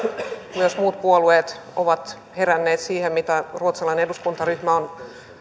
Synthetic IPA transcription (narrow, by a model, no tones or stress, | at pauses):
osmuːt̪̚puolueːt̪ | oʋɑt̪ | herænːeːt̪siːhemmit̪æruot̪sɑlɑineneduskunt̪ɑryhmæon